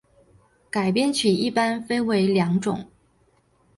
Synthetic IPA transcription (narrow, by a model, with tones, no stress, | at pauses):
ka˨˩ɪpjɛ˥˧nt͡ɕʰy˨˩i˥˩pa˥nfe˥ɪwe˧˥ɪljɑ˧˥ŋʈ͡ʂʊ˨˩˦ŋ